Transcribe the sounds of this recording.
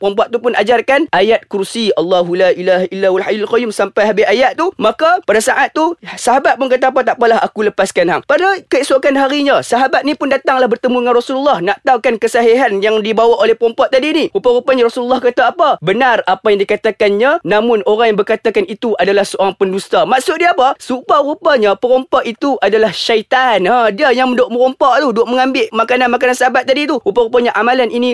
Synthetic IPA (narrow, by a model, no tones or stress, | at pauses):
pɔmpɔʔ̚t̪upʊnad͡ʒarkanʔajat̪̚kursialːaɦulaʔilaɦilːawalɦajulalqɔjumsampajɦabiajat̪t̪umakapadasaʔat̪ːusaɦabat̪̚pʊnkat̪aapat̪aʔpalaɦa̰kuləpaskanɦaŋpadakəisokanɦaɾiɲãsaɦabat̪̚nĩpʊndat̪aŋlahbərt̪əmuəŋanrasululːɑhnaʔt̪awkankəsaɦeɦanjaŋdibawaʔolɛhpɾɔmpɔt̪ʔ̚t̪ːadiːniɾupaɾupaɲaɾasululːɔhkat̪aːpabənarapajaŋdikat̪akanɲanamʊnoɾaŋjaŋbərkat̪akanit̪uʔadalahsəoɾaŋpəndust̪amaʔsʊt̪̚diapasuparupaɲapəɾɔmpaʔit̪uʔadalahʃait̪anhadiajaŋməndʊʔməɾɔmpaʔt̪udʊʔməŋambɪʔmakananmakanansaɦabat̪̚ːadit̪uɾupaɾupaɲaʔamalanini